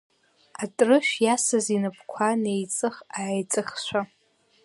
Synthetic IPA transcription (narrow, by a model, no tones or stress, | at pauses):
atʼrɨʃᶣjasazinɨpʰkʷʰanejt͡sʼɨχaːjt͡sʼɨχʃʷʰa